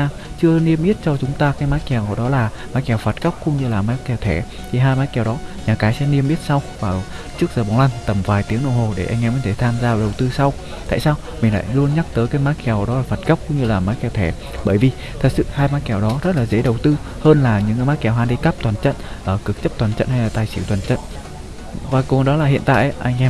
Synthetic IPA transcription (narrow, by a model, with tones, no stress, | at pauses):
aː˧ | t͡ɕɨ˧əni˧əmʔi˦˥t̚t͡ɕɔ˧t͡ɕʊ˨˦ŋ͡mt̪aː˧kaː˨˦jmaː˨˦˥kɛ˨˩wɗɔ˨˦laː˨˩ | maː˨˦jkɛ˨˩wfa˨˩t̚kə˦˥wk͡p̚kʊ̰˧˥ŋ͡mɲɨ˧laː˨˩maː˨˦˥kɛ˨˩wt̪ʰɛ˧˩ | t̪ʰi˨˩ɦaː˧jmaː˨˦jkɛ˨˩wɗɔ˨˦ɲaː˨˩kaː˨˦jsɛ̰˧˥ni˧əmʔi˦˥t̚sa˧wvaː˨˩ | t͡ɕɨ˦˥ək̚zəː˨˩ɓa˨˦wla˧ŋ̟t̪ə˧˩mvaː˨˩jt̪i˨˦əŋɗə̰˧˨ho˨˩ɗe˧˩ʔɛ˧ŋʔɛ˧˩mə˧˦jt̪ʰe˧˩t̪ʰaː˧mzaː˧˨˩ɗə˨˩wt̪ɨ˧sa˧w | t̪a̰ː˧˨jsaː˧w | mï˨˩ŋ̟la̰ː˧˨jlu˧ənɲa˦˥k̚t̪əː˨˦jkaː˨˦jmaː˨˦˥t̚kɛ˨˩wɗɔ˨˦lːfə˨˩t̚kə˦˥p̚kʊ̰˧˥ŋ͡mɲɨ˧laː˨˩maː˨˦jkɛ˧˩wt̪ʰɛ˧˩ | ɓəː˧˩jvi˨˩ | t̪ʰə˨˩t̚sɨ̰˧˨haː˧jmaː˨˦˥t̚kɛ˧˩wɗɔ˨˦zə˦˥t̚laː˨˩zḛ˧˥ɗə˨˩wt̪ɨ˧ | həː˧nlaː˨˩ɲɨ̰˧˥ŋkːjmaː˦˥t̚kɛ˨˩wɦaː˧˩ɗi˧ka˦˥p̚t̪waː˨˩nt͡ɕə̰˧˨nʔəː˧˩kɨ˨˩k̚t͡ɕə˦˥p̚t̪waː˨˩nt͡ɕə̰˧˨nha˧jlaː˨˩t̪aː˨˩jsi˧˩wt̪waː˨˩nt͡ɕə̰˧˨n | vaː˨˩kʊ˨˩ɗɔ˨˦laː˨˩hḭ˧˨ənt̪a̰ː˧˨jʔʔa˧jŋ̟ʔɛ˧m